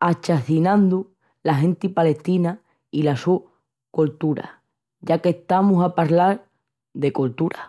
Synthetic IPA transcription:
at͡ʃaθinãnd̪u | laɦe̞nt̪ipale̞ht̪ina | ilasu | kolt̪uɾa̰ | ʝake̞ht̪amusapaɾlaɾ | ðe̞kolt̪uɾa

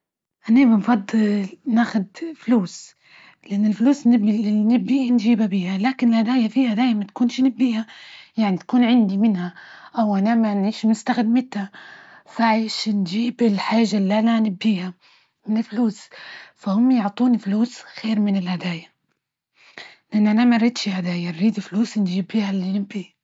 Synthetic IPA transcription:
ʔanabɪnfɑd̪ˤːɨlnaːxʊd̪fluːs | lɪʔanːɪlfluːsnbnɪbːiːhand͡ʒiːbabiːhalaːkɪnɪlhad̪aːjafiːhad̪aːjmat̪ḁkuːnʃnɪbːiːhajaʕnit̪ḁkuːnʕɪnd̪imɪnhaʔawʔanamanʕiːʃmʊst̪axɪd̪mɪt̪hafaʕaːʃnd͡ʒiːbɪlħaːʒːalːʔananɪbːiːha | mɪnɪlfluːsfahʊmːjɪʕt̪ˤuːnfluːsxeːɾmɪnɪlhad̪aːja | lɪʔanːʔanamanɾˤid̪ʃihad̪aːjanɾiːd̪ɪlfluːsnd͡ʒiːbːiːhalːinɪbːi

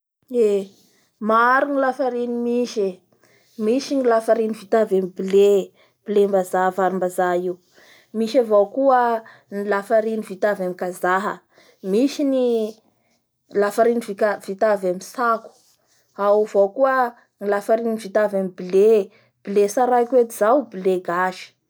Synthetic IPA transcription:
e | maaɾinilafaɾinimiʃe | miʃinilafaɾinivit̪avamibile | b̥ilembazavaɾimbazaiu | miʃavokuə | nilafaɾinivit̪avamikazaɦə̰ | miʃini | lafaɾiniviav̥it̪avamisaku̥ | awvokuə | ŋilafaɾinivit̪avamibile | b̥ilesaɾakwet̪iz̥awbileɡaʃi̥

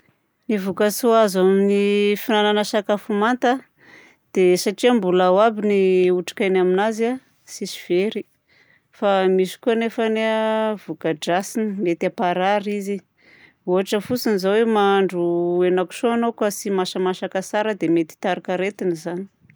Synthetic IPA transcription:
nivukəsuazaminifinananəsakafumant̪a | d̪̥esaʈ͡ʂiambulawabiniuʈ͡ʂḁkajnaminaza | sisiv̥eɾi | famisi̥kuanefaneavukəd͡ʒasinimet̪apaɾaɾizi | uɦaʈ͡ʂəfusinizawemaɳɖ͡ʐuenaku̥ʃoanokasimaʃamaʃakasaɾəd̪emet̪i̥t̪aɾakaɾet̪inizani̥

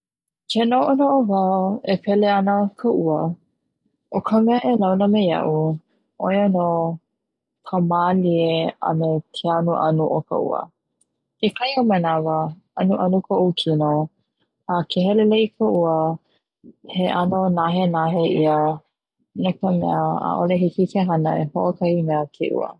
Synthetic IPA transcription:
kʰenoʔonoʔovawepʰɛleanəkʰəʔuə | ʔokʰəmɛəʔelawnəmejɐ̰ʔu | ʔojano | kʰəmaːlieɐ̰metʰeanuʔa̰nuʔoka̰ʔṵə̰ | kekʰɐiomɐnavə | ɐnuʔɐnukʰoʔukʰinoː | kʰeɦɛleleʔikʰəʔuə | heʔanonaɦenaɦeʔiə | nokəmɛ̰əa̰ʔoleɦikikʰeɦɐnəehoʔokɐimɛəkʰḛʔṵə̰

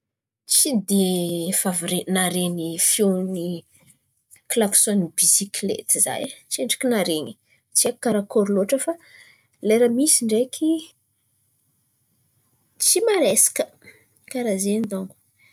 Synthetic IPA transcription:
t͡sid̪efavɾenaɾenifjoni | klaksonbisiklḛt̪iza̰jt͡ʃeɳɖ͡ʐi̥kinaɾeɲi̥ | t͡siakkaɾakoɾloʈ͡ʂəfa | leɾamisiɳɖ͡ʐekʰi | t͡simaɾesḁkə̥ | kaɾazenid̪aŋɡu̥

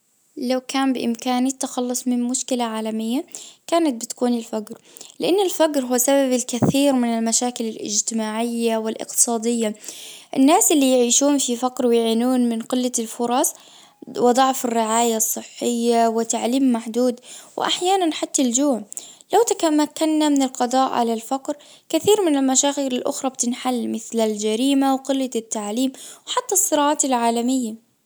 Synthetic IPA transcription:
lawkaːmbɪʔɪ̰mkaːnit̪ːaxɑlːʊsˤmɪnmʊʃkɪlaʕaːlamɪjːakaːnat̪̚bɪt̪kuːnɪlfaɡɾlɪʔanːɪlfaɡɾɦʊːsababɪlkaθiːɾmɪnɪlmaʃaːkɪlɪlʔɪ̰d͡ʒt̪ɪmaːʕɪjːawɪlʔɪ̰q̚t̪ɨ̥sˤɑːd̪ɪjːaʔɪ̰nːaːsʔɪlːijʕiːʃuːnfifaqɾwɪjʕiːnuːnmɪnqɪlːalfʊɾˤɑsˤ | wɪd̪ˤɑʕfɪrːɪʕaːjasˤːɨħːɪjːawɪt̪ːaʕliːmːaħd̪uːd̪wʔa̰ħjaːnanħat̪ːald͡ʒuːʕlawt̪akamakːanːamɪnɪlqɑd̪ˤɑːʔʕa̰lalfɑqɾ | kɪθiːɾmɪnɪlmaʃaːxɪɾɪlʔʊ̰xɾˤɑb̚t̪ɪnħalːmɪθlald͡ʒaɾiːmawqɪlːat̪ːaʕliːmwħat̪ːasˤːɨɾˤɑːʕaːt̪ɪlʕaːlamɪjːa

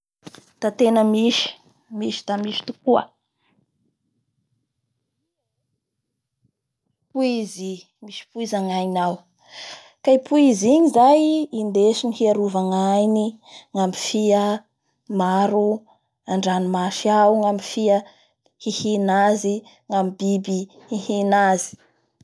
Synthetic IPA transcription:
t̪at̪enəmiʃi̥ | miʃi̥t̪amiʃi̥t̪ukuə̰ | puizi | miʃi̥puizaŋajnaw | kaipuiziɲizajind̪eʃinihiaɾuvaŋajniŋamifiə | maɾu | aɳɖ͡ʐanimaʃiawuŋamifiə | hihinazi | ŋamibibi | hihinazi̥

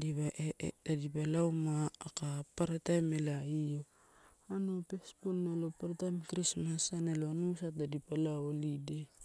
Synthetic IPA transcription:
dibaʔedadipalawmaːkapaɾatajmelaijo | anopesponːalopaɾatajmkɾismasaneloanusat̚dadipalaolide

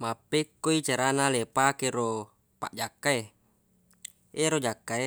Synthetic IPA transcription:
mapːekːoit͡ʃaɾanalepakeɾo | pa̰ʔd͡ʒakːae | eɾod͡ʒakːae

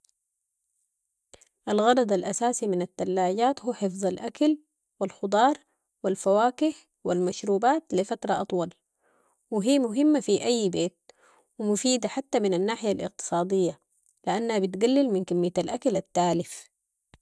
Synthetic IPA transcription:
ʔalɣɑɾˤɑd̪ˤalʔasaːsiminat̪ːalːaːɟaːt̪huːħɪfðˤɑlʔakal | wilxʊd̪ˤɑːɾˤ | wilfawaːkɪħ | wilmaʃɾuːbaːt̪lifat̪ɾˤɑʔɑt̪ˤwɑl | wiɦiːmʊɦɪmːafiʔajːbeːt̪̚ | wimʊfiːd̪aħat̪ːaminanːaːħɪjalʔɪ̰q̚t̪ɨ̥sˤɑːd̪ˤijːa | liʔanːhabit̪ɡalːɪlminkamːijːat̪alʔakalat̪ːaːlɪf

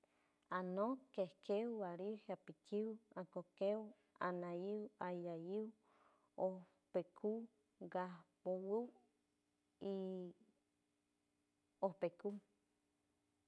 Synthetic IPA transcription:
anõkehkewwaɾihapikʰiwãkokew | anãjiwajajiw | o | pekʰu | ɡahpowɨw | i | ohpeku

